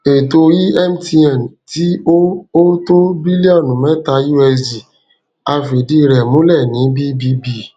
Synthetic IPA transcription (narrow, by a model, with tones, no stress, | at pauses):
e˨to˧ji˦ɛ˦m̩˦ti˧ɛ̃˨nti˨˦o˦o˦to˦bi˦li˦ɔ˦˨nũ˨˦mɛ̃˦ta˧ju˦ɛ˧d͡ʒi˨ | a˧fe˨di˧ɾɛ˨mũ˨˦lɛ˦˨nĩ˨˦bi˦bi˦bi˧